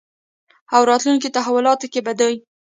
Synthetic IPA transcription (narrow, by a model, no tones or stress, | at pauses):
awɾɑt̪lunkit̪aɦawʊlɑt̪okebad̪əj